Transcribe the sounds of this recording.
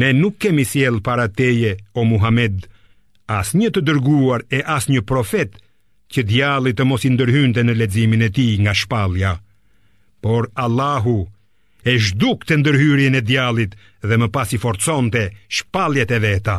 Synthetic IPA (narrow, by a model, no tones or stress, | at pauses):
nɛnukːɛmisjɛlˠpaɾat̪ɛjɛɔmuɦamɛd̪ | asɲət̪əd̪əɾɡuaɾɛʔasɲəpɾɔfɛt̪ | cəd̪jalˠit̪əmɔsind̪əɾɦynt̪̬ɛnəlɛd͡ziminɛt̪iŋɡaʃpalˠja | pɔɾalˠːaɦu | ɛʒd̪ukt̪ɛnd̪əɾɦyɾjɛnɛd̪jalˠit̪ | ðɛməpasifɔɾt͡sɔnt̪ɛʃpalˠjat̪ɛvɛt̪a